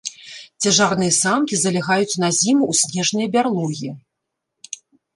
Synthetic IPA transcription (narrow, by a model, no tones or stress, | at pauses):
t͡sʲɐʐarnɨjɐsamkʲizɐlʲaɣajut͡sʲnazʲimuusʲnʲɛʐnɨjɐbʲarlˠɔɣʲi